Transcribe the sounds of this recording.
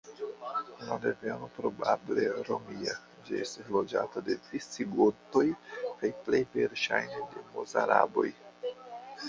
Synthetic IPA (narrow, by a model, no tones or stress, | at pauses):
ladeveno̞pɾo̞bable̞ɾo̞mia | d͡ʒiestaslo̞d͡ʒatade̞tɾist͡siɡoto̞jkajplejve̞ɾʃajnde̞mozaɾa̰bo̞̰j